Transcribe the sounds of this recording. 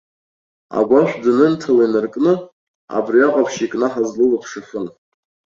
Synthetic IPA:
a̰ɡʷaʃʷᶣdɨnɨntʰalinɨrkʼnɨ | a̰briaqʼapʰʃikʼnɨħazlɨlapʰʂafɨn

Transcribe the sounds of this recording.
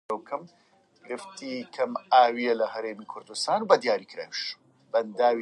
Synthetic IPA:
ɐwkʰɐm | ɡ̥ɾɨft̪ʰikʰɐmaːwijelɐɦɐɾeːmikʰʊɾd̪ust̪aːnbɐd̪jaːɾikʰɾa̰ːwʃ | bɐnd̪aːw

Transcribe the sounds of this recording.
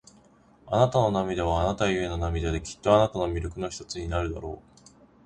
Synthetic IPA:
anat̪ano̞namʲid̪eβ̞aːnat̪ajɯe̞no̞namʲid̪ad̪e̞kʲi̥t̪ːo̞anat̪ano̞mʲiɾʲokɯ̟no̞çi̥t̪ot͡sɨɲ̟inaɾɯ̟d̪a̰ɾo̞̰ː

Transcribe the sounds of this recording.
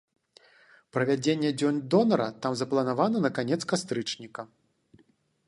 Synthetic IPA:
pɾɐvʲad͡zʲenʲːɛd͡zʲɔnʲd̪ɔnɐɾɐt̪amzɐplˠɐnavanɐnɐkanʲɛt̪skast̪ɾɨt͡ʂnʲikɐ

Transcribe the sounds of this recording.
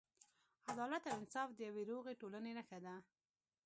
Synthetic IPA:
ad̪ɑlat̪awɪnsɑfd̪əjaweɾoɣeʈoləneɾəxad̪a

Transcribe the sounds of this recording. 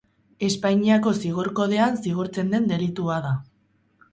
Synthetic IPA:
e̞spajɲiako̞siɣ̞oɾko̞ð̞e̞ansiɣ̞oɾt͡se̞nd̪e̞nd̪e̞lit̪uaða

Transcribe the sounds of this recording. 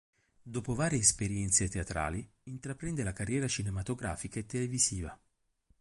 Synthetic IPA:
d̪oːpovaːɾjeːspeɾjɛnt̪set̪eat̪ɾa̰ːli | int̪ɾapɾɛnd̪elakarːjɛːɾat͡ʃinemat̪oɡɾa̰ːfikaet̪ːeleviziːva

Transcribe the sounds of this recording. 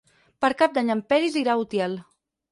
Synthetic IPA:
pəɾkap̚d̪aɲəmpɛɾiziɾaut̪jɛl

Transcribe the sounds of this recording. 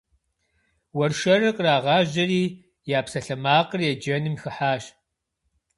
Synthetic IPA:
wɐrʃɐrɨqʼraːʁɑːʑɐriː | jaːpsɐɬɐmaːqərjɛd͡ʒɐnɨmxɨħaːɕ

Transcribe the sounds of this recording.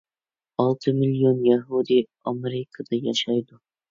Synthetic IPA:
ɒlˠt̪ʰɨmɪlijonjaɦud̪i | ɒmeɾɪkʰad̪ajaʃajd̪ʊ

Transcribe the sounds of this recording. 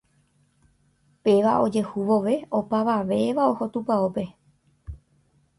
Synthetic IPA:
pe̞ʋaʔo̞d͡ʒe̞huʋoʋe̞o̞paʋaʋe̞ʋao̞ho̞t̪upaope̞

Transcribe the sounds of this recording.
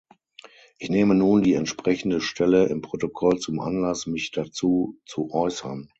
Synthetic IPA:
ʔɪçneːmənuːndiːɛntʃpʁ̥ɛçn̩dəʃtʰɛləɪmpʁ̥otokʰɔlt͡sʊmʔa̰nlasmɪçd̥at͡suːt͡suʔɔʏsɐn

